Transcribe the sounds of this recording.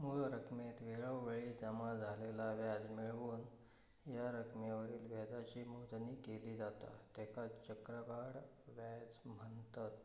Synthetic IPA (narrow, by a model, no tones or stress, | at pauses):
muɭɾəkʰmet̪ʋeɭəwʋeɭiːd͡zəmad͡zʱalelaʋjad͡zmiɭʋuːn | jaɾəkʰmjaʋəɾiːlʋɛd̪at͡ɕiːmoɦt̪niːkeliːd͡zat̪a̰t̪ɛkʰat͡ɕəkɾəɡaɽ | ʋad͡zmənt̪at̪